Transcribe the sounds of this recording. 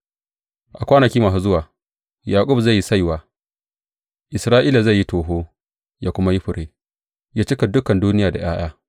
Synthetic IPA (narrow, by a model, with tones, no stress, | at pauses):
ʔa˨kʷaː˦nɐ˨kʲiː˦maː˨s̬u˦zʊ˦waː˨ | jaː˨kʼʊ˦bza˦˨jːi˦sa˦jwaː˨ | ʔɪ˨sɾaː˦ʔiː˦la˨za˦˨jːi˦toː˨ɦoː˦ | jaː˦kʷʊ˦ma˦ji˦ɸʊ˨ɽeː˦ | jaː˦t͡ʃɪ˦ka˨dʊ˦kɐ˨nduː˦nɪ˦jaː˨da̰˨ʔj̰a̰ː˦j̰aː˦